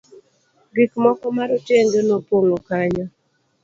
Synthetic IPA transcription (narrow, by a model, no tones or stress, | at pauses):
ɡikmɔkɔmaɾɔtjeŋɡenopwoŋokaɲɔ